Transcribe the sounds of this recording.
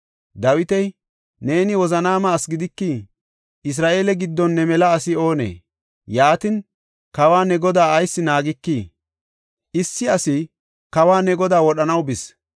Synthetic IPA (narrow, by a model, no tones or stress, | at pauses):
d̪ɐwɪt̪ɛj | ne̞ːnɪwɔzɐnaːmaːsɡɪd̪ɪkːi | ʔɪs̬ɾaːʔe̞ːlɛɡɪd̪ːɔnːɛmɛlɐːsɪo̞ːnḛː | jaːt̪ɪn | kɐwaːnɛɡɔd̪aːɐjsːɪnaːɡɪkːiː | ʔɪsːɪɐsɪ | kɐwaːnɛɡɔd̪aːwɔɗɐnɐwbɪs